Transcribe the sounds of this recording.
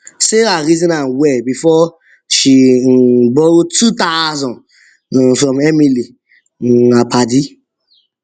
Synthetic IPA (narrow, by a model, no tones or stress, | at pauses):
seɾaɾizɔ̃nãnwɛbifɔ | ʃi | bɔtut̪azɔ̃n | fɾɔ̃memili | apʰadi